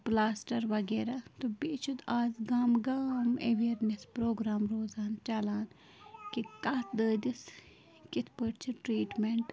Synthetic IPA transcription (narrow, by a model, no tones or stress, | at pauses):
plaːsʈɐɾʋɐɡeːɾat̪obeːt͡ʃʰut̪aːzɡaːmɡaːmeʋeːɾnespɾoːɡɾaːmɾoːzaːnt͡ʃalaːn | kikaːd̪əːd̪is | kɪt̪ʰpəʈt͡ʃʰiʈɾiːʈmeɳʈ